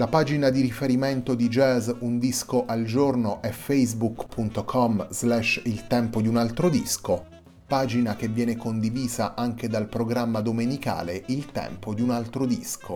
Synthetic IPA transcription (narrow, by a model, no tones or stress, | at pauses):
lapaːd͡ʒinad̪iɾifeɾiment̪od̪id͡ʒɛzund̪iskoʔald͡ʒornoʔɛfejzbukpʰunt̪okʰɔmzlɛʃilt̪ɛmpod̪iunalt̪ɾod̪isko | paːd͡ʒinak̟evːjɛːnekond̪iviːzaʔaŋk̟ed̪alpɾoɡɾamːad̪omenika̰ːleʔilt̪ɛ̰mpod̪iunalt̪ɾod̪ḭskʰo